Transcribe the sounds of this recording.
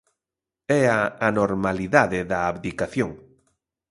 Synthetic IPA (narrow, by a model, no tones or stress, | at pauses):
ɛaanoɾmaliðaðeðaːβðikaθjoŋ